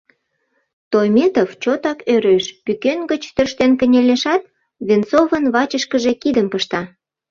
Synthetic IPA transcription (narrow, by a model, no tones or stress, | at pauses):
t̪ojmet̪oft͡ɕot̪ɑkøɾeʃpykenɡət͡ɕt̪ørʃt̪enkə̆nʲelʲeʃɑt̪̚ | βent͡sovənβɑt͡ɕəʃkəʒe̽kid̪əmpəʃt̪ɑ